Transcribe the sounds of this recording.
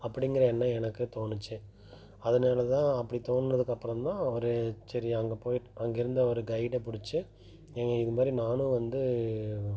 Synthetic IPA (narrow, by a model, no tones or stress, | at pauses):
ɐpːɐɽɪŋɡɐɾɐɛnːɐɛnɐkːɯt̪oːɳɯt͡ʃːɯ | ɐðɐnaːlɐt̪ãːɐpːɐɽit̪oːɳɯnɐðɯkːɐpːɯɾɐmt̪ãːɔɾɯsɐɾiɐŋɡɐpoːjʈɐŋɡɪɾɯnd̪ɐɔɾɯɡɐɪɽɐpʊɽɪt͡ʃːɯ | ɛŋɡɐɪðɯmaːd̪ɾinaːnɯ̃ʋɐnd̪ɯ